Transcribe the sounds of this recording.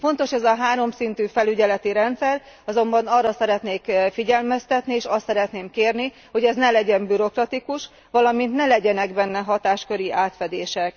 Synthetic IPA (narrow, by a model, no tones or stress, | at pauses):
fo̞nt̪o̞ʃɛzɒɦaːɾo̞msint̪yːfɛlyɟɛlɛt̪iɾɛnt̪sɛr | ɒzo̞mbɒnɒrːɒsɛɾɛt̪neːkfiɟɛlmɛst̪ɛt̪nieːʃɒst̪sɛɾɛt̪neːmkeːrni | ho̞ɟɛznɛlɛɟɛmbyɾo̞krɒt̪ikuʃ | ʋɒlɒmint̪nɛlɛɟɛnɛɡbɛnːɛɦɒt̪aːʃkø̞ɾiʔaːt̪fɛd̪eːʃɛk